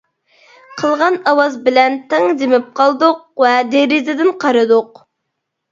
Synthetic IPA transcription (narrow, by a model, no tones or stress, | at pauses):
qʰəlˠʁɑnɑwɑzbɪlɛnt̪ʰɪŋd̪ɪmɪp̚qʰɑlˠd̪ʊq̚vɛd̪eɾɪzɪd̪ɪnqʰɑɾɨd̪ʊq